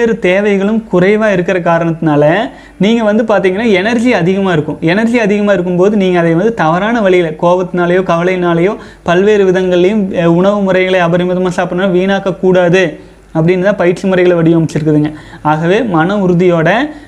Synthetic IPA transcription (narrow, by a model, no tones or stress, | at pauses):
eːɾɯt̪eːʋɐɪɣɐɭɯmkʊrɐɪʋaːɪɾɯkːɪɾɐk̬aːɾɐɳɐt̪ːɪnaːlɐ | niːŋɡɐʋɐnd̪ɯpaːɾt̪̬iːŋɡɐnːaːɛnɐɾd͡ʒiɐðɪɣɐmaːɪɾɯkːʊ̃ɛnɐɾd͡ʒiɐðɪɣɐmaːɪɾɯkːɯmpoːðɯniːŋɡɐːðɐɪʋɐnd̪ɯt̪ɐʋɐɾaːnɐʋɐɭɪjɪlɐkoːʋɐt̪ːɯnaːlɐjõːkɐʋɐlɐɪnaːlɐjõː | pɐlʋeːɾɯʋɪðɐŋɡɐɭlɐjɯmʊɳɐʋɯmʊɾɐɪɣɐɭɐɐʋɐɾɪmɐðɯmãːsaːpɪɳnãːʋiːnaːkɐkːuːɽaːðɯ | ɐpːɐɽɪnːt̪ãːpɐjɪʈt͡ʃɯmʊrɐɪɣɐɭʋɐɽɪjɐmɐt͡ʃːɪɾɯkːɯðɯŋɡɐaːɣɐʋeːmɐnɐʊɾɯðɪjoːɽɐ